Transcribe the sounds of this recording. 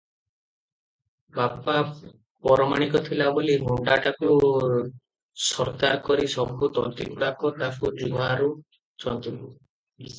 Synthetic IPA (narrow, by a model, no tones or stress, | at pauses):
bapa | pɔɾɔmaɽ̃ikɔt̪ʰilabolimʱoɳɖaʈaku | sɔɾkaɾkɔɾisɔbʱut̪ɔnt̪ikuɽakɔt̪afud͡ʒuɡʱaːɾu | t͡ʃɔnt̪ibu